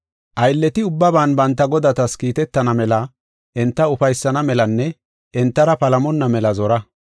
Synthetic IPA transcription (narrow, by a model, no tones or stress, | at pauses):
ʔɐjlːɛt̪ɪʊbːɐbaːnbɐnt̪ːɐɡɔd̪ɐt̪ɐskiːt̪ɛt̪ːɐnɐmɛlɐ | ʔɛnt̪ːɐʊfɐjsːɐnɐmɛlɐnːɛ | ʔɛnt̪ːɐɾɐpɐlɐmɔnːɐmɛlɐzɔɾɐ